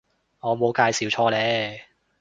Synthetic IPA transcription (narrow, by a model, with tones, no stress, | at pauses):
ŋɔː˨˧mo˨˧wkaː˧jsiː˨˥wt͡ʃʰɔː˧lɛː˨˥